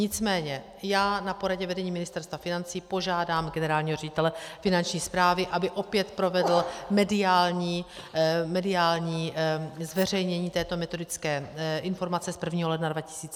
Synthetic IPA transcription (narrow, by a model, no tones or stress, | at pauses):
ɲɪt͡smɛːɲɛ | jaːnapo̞ɾaɟɛvɛdɛɲiːmɪnɪst̪ɛɾst̪vafɪnant͡siːpo̞ʒaːdaːmɡɛnɛɾaːlɲiːɦo̞rɛɟɪt̪ɛlɛfɪnant͡ʃɲiːspɾaːvɪʔabɪʔo̞pjɛt̪pɾo̞vɛdl̩mɛdɪaːlɲiː | mɛdɪaːlɲiːzvɛr̝ɛjɲɛɲiːt̪ɛːt̪o̞mɛt̪o̞dɪt͡skɛːʔɪnfo̞ɾmat͡sɛspr̩vɲiːɦolɛdnadvacɪ̥siːt͡s